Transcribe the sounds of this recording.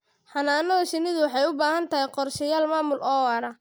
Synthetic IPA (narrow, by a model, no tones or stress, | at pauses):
ħɑnaːnɔðɐʃɪnɪðʊwɑħɑjʊbaːɦɐnt̪ʰɐɦɛjqɔrʃɪjaːlmaːmʊlʔɔːwɐɾɐ